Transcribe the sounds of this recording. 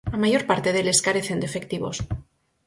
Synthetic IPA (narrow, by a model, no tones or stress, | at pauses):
amaʝo̞ɾpaɾt̪eðe̞le̞skaɾe̞θe̞nd̪efe̞kt̪iβo̞̰s